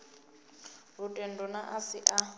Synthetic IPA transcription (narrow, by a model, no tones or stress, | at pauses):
rutʼɛndɔnaʔasiʔa